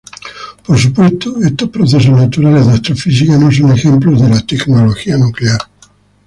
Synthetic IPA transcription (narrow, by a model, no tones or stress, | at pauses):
poɾs̬upwest̪oest̪ospɾoθes̬oznat̪uɾalezðast̪ɾofis̬ikanões̬onexemplozðelat̪eknoloxianukleaɾ